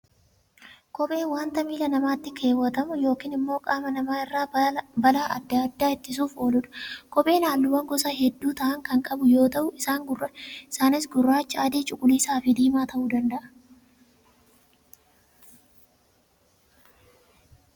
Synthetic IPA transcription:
kʼɔpʼe̞ːwaːnt̪ɐmiːlɐnɐmaːt̪ːɪkʰe̞ːwːɐt̪ɐmʊjo̞ːkiːnɪmːo̞ːkʼaːmɐnɐmaːɪrːaːbɐlaːʔɐ̰d̪ːad̪ːaːɪt̪ːɪs̬uːfo̞ːlʊᶑʊ̥kɔpʼe̞ːlaːlːʊwɐŋɡɔsaɦɛd̪ːuːt̪ɐʔɐŋkɐŋkʼɐbʊjo̞ːt̪ɐʔʊʔɪsaːŋɡʊrːɐɪsaːnɪsɡʊrːaːt͡ʃːɪaːd̪eːt͡ʃʼʊkʼʊliːsaːfɪd̪iːmaːt̪ɐʔuːd̪ɐnd̪ɐʔɐ̥

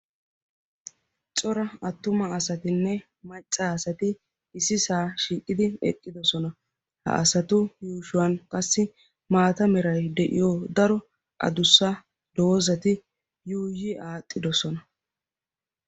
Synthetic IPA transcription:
t͡sʼɔɾɐɐt̪ːʊmɐɐsɐt̪ɪnːɛ | mɐt͡ʃʼːaɐsɐt̪ɪ | ɪsɪsaːʃiːkʼːɪd̪ɪɛ̰kʼːɪd̪ɔsɔnɐ | hɐ̰ʔɐsɐt̪ʊjuːʃʊwɐnkʼɐsːɪ | maːt̪ɐmɛɾɐjd̪ɛʔɪ̰joːd̪ɐɾɔ | ʔɐ̰d̪ʊsːɐ | d̪̥oːzɐt̪ɪ | juːjɪaːt̪ʼːɪd̪ɔsɔnɐ

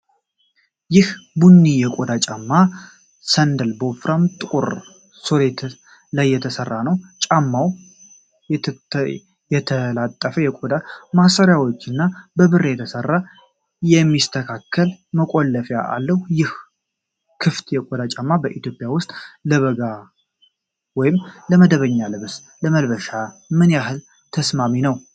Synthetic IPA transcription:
jɪhbunːijɛkʼod̪at͡ʃʼamːa | sənd̪əlbofɾamt̪ʼkʼuɾ | soɾet̪ʰ | lajːɛt̪ʰəsərːanəwt͡ʃʼamːaw | jɛt̪ʰəlat̪ʼːəfəjɛkʼod̪amasəɾjawot͡ʃːɨnːabəβɨrːejɛt̪ʰəsərːa | jɛmːist̪ʰəkʰakʰːəlməkʼolːəfjaʔa̰lːəhujɪh | kʰɨft̪jɛkʼod̪at͡ʃʼamːabəʔit̪jo̞pʼːjawʊst̪ʼləβəɡa | wɔjɪmləməd̪əβəɲːalɨβs | ləməlβəʃamɨnjaɦɨl | t̪ʰəsmaminəw

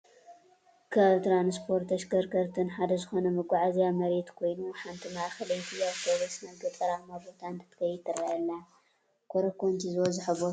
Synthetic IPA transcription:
kʰat̪ɾanspʰo̞ɾt̪ɐʃkɐɾkʰɐɾt̪ʰɨnħad̪ɐzɨxo̞nɐmɨɡʷʼaʕazjamɐɾet̪kʰo̞jnuħant̪ʰimaʔxɐlɐjt̪ʰiaβt̪ʰoβosnɐɡɨt̪ʼɐɾamabo̞t̪ʰant̪ʰɨ̥t̪ʰkʰɐjɪt̪ʰːɐɾajɐlːa | kʷʰoɾɐkʰont̪ʰizozɨħɨβo

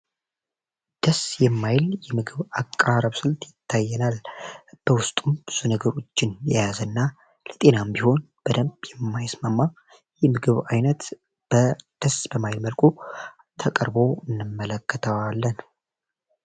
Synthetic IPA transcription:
d̪̥əsjɛmːajljɛmɨɡɨβakʼːaɾəβsɨlt̪ʼjɪt̪ʰːajːɛnalb̥əwʊst̪ʼumb̥ɨz̥unəɡəɾo̞t͡ʃːɪnjɛjazənːa | lət̪ʼe̞nambiho̞n | b̥əd̪əmbjɛmːajsmamːa | jɛmɨɡɨβajnət̪ | b̥əd̪̥əsbəmajlməlkʼu | t̪ʰəkʼəɾbo̞ɨnːɨmːələkːət̪ʰəwalːən

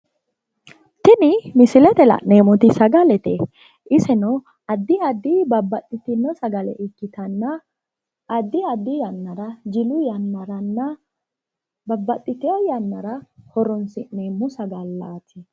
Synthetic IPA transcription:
t̪ɪnɪmɪsɪlɛt̪ɛlɐ̰ʔneːmɔt̪ɪsɐɡɐlɛt̪ɛ | ʔɪsɛnɔ | ɐd̪ːɪɐd̪ːɪbɐbːɐt̪ʼːɪt̪ɪnːɔsɐɡɐlɛ̰ʔɪkːɪt̪ɐnːɐː | d̪ːɪɐd̪ːɪjɐnːɐɾɐd͡ʒɪlʊjɐnːɐɾɐnːɐ | bɐbːɐt̪ʼːɪt̪ɪɔjɐnːɐɾɐhɔɾɔnsɪʔnemʊsɐɡɐlːaːt̪ɪ

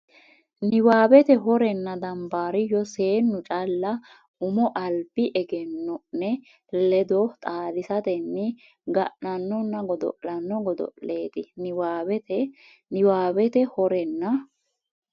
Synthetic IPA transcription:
nɪwaːbɛt̪ɛɦɔɾɛnːɐd̪ɐmbaːɾɪjɔse̞ːnːʊt͡ʃʼɐlːɐ | ʊmɔʔɐlbɪʔɛɡɛnːɔnɛ | lɛd̪ɔt̪ʼaːd̪ɪsɐt̪ɛnːɪ | ɡɐʔnɐnːɔnːɐɡɔd̪ɔ̰ʔɐnːɔɡɔd̪ɔ̰ʔle̞ːt̪ɪnɪwaːbɛt̪ɛ | nɪwaːbɛt̪ɛhɔɾɛnːɐ

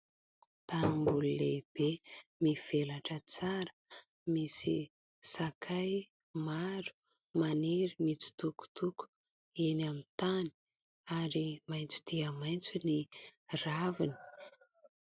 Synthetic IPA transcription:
t̪animbululeb̥emiv̥elaʈ͡ʂət͡saɾə̥ | misi | sakʰaj | maɾu̥ | maneɾimit͡si̥t̪uku̥t̪uku̥ | enamit̪ani̥ | aɾimajnt͡su̥t̪iəmajnt͡suniravini̥

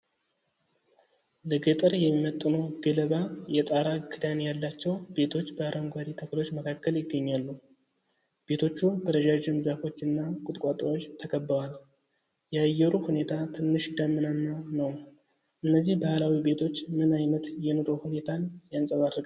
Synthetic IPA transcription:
lɨɡət̪ʼɨɾjɛmːimət̪ʼːɨnəwɡələβajɛt̪ʼaɾaɡʰɨd̪anejalːat͡ʃːɛwb̥e̞t̪ʰo̞t͡ʃːbəaɾʔəŋɡʷad̪it̪ʰəklo̞t͡ʃːməkʰakːəljɪɡːəɲːalːu | b̥e̞t̪ʰo̞t͡ʃːubəɾəʒaʒɪmzafo̞t͡ʃːɨnːakʼʊt̪ʼkʼat̪ʼəwo̞t͡ʃːt̪ʰəkʰəbːəwal | jɛajːɛɾuhune̞t̪ʰat̪ʰɨnːɨʃd̪amːɨnanːanəw | ʔɨnːəzːihbahalawibe̞t̪ʰo̞t͡ʃːmɨnajnət̪jɛnoɾohune̞t̪ʰanjansʼəβad̪ɾɡa

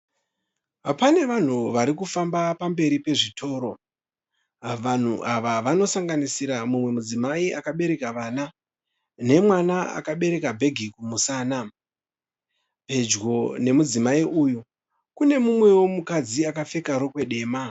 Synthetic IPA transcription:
apane̞ʋan̤uʋaɾikufambapambe̞ɾipe̞ʐitʰo̞ːɾo̞ | ʋan̤uʔaʋaʋano̞saŋɡanisiɾamumwe̞mud͡zimaiakaɓe̞ɾe̞kaʋana | ne̞mwanaa̰kaɓe̞ɾe̞kabʱe̞ɡʱikumusaːna | bʱe̞d͡ʒɡo̞ne̞mud͡zimaiujo | kune̞mumwe̞wo̞mukad͡ziakafe̞kaɾo̞kwe̞ɗe̞ːma

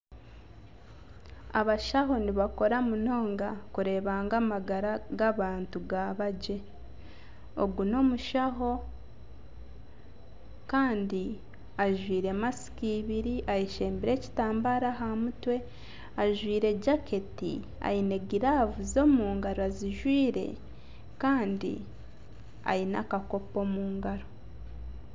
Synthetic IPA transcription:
a̰βaʃaɦo̞niβako̞ɾamuno̞ːŋɡakuɾe̞ːβaːŋɡamaɡaɾaɡaβaːntuɡaβaɟe̞ | o̰ɡuno̞muʃaɦo̞ | kaːndi | aʒwiːɾe̞masi̥kiβiɾiʔajiʃe̞ːmbiɾe̞ci̥taːmbaɾaɦamutwe̞ | aʒwiːɾe̞ɟakʰe̞tḭ | a̰jine̞ɡiɾavuzo̞ːmuːŋɡaɾoaziʒwiːɾe̞̰ | kaːndḭ | a̰jina̰kako̞po̞ːmuːŋɡaɾo

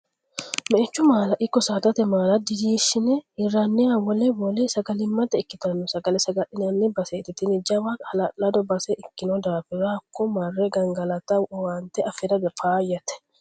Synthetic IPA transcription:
mɛʔɛt͡ʃːʊmaːlɐʔɪkːɔsaːt̪ɐt̪ɛmaːlɐd̪ɪd͡ʒiːʃːɪnɛɪrːanːɪɐwɔlɛwɔlɛsɐɡɐlɪmːɐt̪ːɐɪkːɪt̪ɐnːɔsɐɡɐlɛsɐɡɐᶑɪnɐnːɪbɐseːt̪ɪt̪ɪnɪd͡ʒɐwahɐlɐlɐd̪ɔbɐsɛʔɪkːɪnɔd̪aːfɪɾɐːkːɔmɐrːɛɡɐŋɡɐlɐt̪ɐɔwaːnt̪ɛɐfɪɾɐd̪ɐpaːjɐt̪ɛ̥

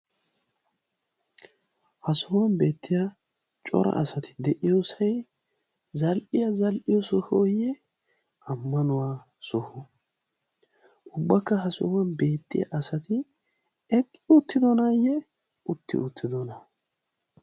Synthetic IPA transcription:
hɐsʊwɐnbe̞ːt̪ʰːɪja | t͡ʃʼɔ̰ɾɐ̰ʔɐsɐt̪ɪ̥d̪ɛʔɪjosɐj | zɐlʔɪjazɐlʔɪjɔsʊhojɛ | ɐmːɐnʊwaː | sɔhʊ | ʊbːɐkːɐɦɐsɔ̰wɐnbe̞ːt̪ːɪja̰ʔɐsɐt̪ɪ | ɛkʼːɪʊt̪ːɪd̪ɔnajɛ | ʊt̪ːɪ̰ʊt̪ʰːɪd̪ɔnɐ

